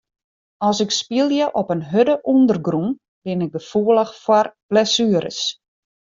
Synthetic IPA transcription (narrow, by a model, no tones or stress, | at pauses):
ɔsɪkspiəlˠjəʔɔpənɦødəʔundərɡrun | b̥ɪnɪk̚ɡəfuələxfwɔrb̥lɛsyəɾə̰s